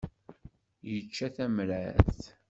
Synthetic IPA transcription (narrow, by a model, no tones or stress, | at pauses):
jət͡ʃːæθæmɾæθ